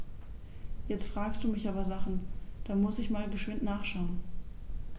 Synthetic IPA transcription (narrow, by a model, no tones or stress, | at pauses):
jɛt͡stfʁ̥aːkstd̥uːmɪçaːbɐzaχn̩d̥amʊsɪçmaːlɡəʃv̥ɪntnaːχʃaʊən